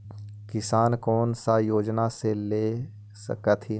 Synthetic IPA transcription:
kɪsaːnkɔːnsajoːd͡ʒnaseleː | sə̰kət̪ʰi

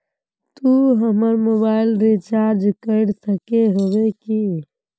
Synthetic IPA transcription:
t̪uɦəməɾmobailɾit͡ʃaɾd͡ʒkəɪɽsəkeɦobeki

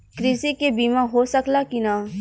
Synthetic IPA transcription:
kɾɪsikebiːmãɦosəklakinaː

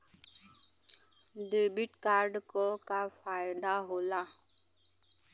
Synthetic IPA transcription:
d̪ebiʈkaːɾɖkokafaːjd̪aɦoːla

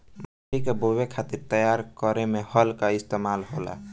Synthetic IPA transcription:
mə | ikebowekʰat̪iɾt̪əjaɾkəɾemehəlkaist̪emalɦola̰

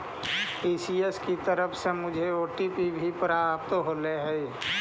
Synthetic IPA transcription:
iːsieskit̪əɾəpʰsemʊd͡ʒʱeoːʈipibʱipɾapt̪ɦoːleɦɛi

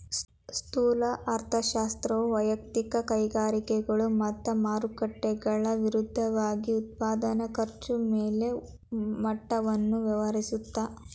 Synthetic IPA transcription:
st̪uːlɐʔɐɾt̪ʰɐʃaːst̪ɾɐʋuʋɐjɐk̚t̪ikɐkɐjɡaːɾikɛɡɐɭumɐt̪ːɐmaːɾukɐʈːɛɡɐɭɐʋiɾud̪ʱːɐʋaːɡiut̪̚paːd̪ɐnɐkɐɾt͡ʃumeːle̞ | mɐʈːɐʋɐnːuʋɐʋɐɾisut̪ːa

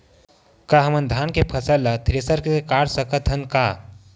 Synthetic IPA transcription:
kaɦɐmənd̪ʱaːnkepʰɐsəlːat̪ʰɾesəɾkeekaːɽsəkət̪ɦɐnkaː

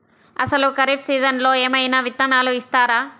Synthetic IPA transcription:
ɐ̰sɐlukɐɾipsiːd͡ʒɐnlo̞ːeːmɐjnaʋit̪ːɐnaːluist̪aːɾaː

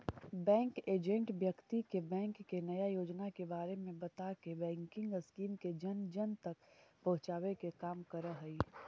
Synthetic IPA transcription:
bɛ̃ːŋkeːd͡ʒẽɳʈbjəkt̪ikebɛ̃ːŋkːenɐjajoːd͡ʒnakebaːɾemẽbɐt̪akebɛ̃ːŋkɪ̃ŋɡəskiːmked͡ʒɐnd͡ʒənt̪ɐkpɐɦʊ̃t͡ʃaːʋekekaːmkɐɾəɦɐiː

